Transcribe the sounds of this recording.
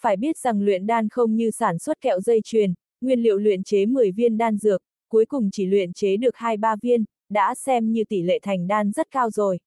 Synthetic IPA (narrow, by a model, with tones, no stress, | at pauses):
faː˧˩jɓi˦˥ət̚z̥a˨˩ŋlwḭ˧˨ənɗaː˧nxə˧wŋ͡mɲɨ˧saː˧˩nswə˦˥t̚kɛ̰˧˨wzə˧jt͡ɕwi˨˩ən | ŋwi˧ənlḭ˧˨əwlwḭ˧˨ənt͡ɕe˨˦mɨ˨˩əjvi˧ənɗaː˧nzɨ˨˩ək̚ | kːu˨˦əjkʊ˨˩ŋ͡mt͡ɕi˧˩lwḭ˧˨ənt͡ɕe˨˦ɗɨ˨˩ək̚haː˧jɓaː˧vi˧ən | ɗa̰ː˧˥sɛ˧mɲɨ˧t̪i˧˩lḛ˧˨t̪ʰa˨˩jŋ̟ɗaː˧nzə˦˥t̚kaː˧wzo˨˩j